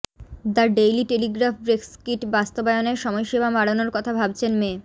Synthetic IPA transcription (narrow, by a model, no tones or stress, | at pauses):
d̪aɾɖejliʈeliɡɾafbɾekskiʈbast̪obajoneɾʃɔmɔjʃebamaɽonoɾkɔt̪ʰabʱab̚t͡ɕʰenme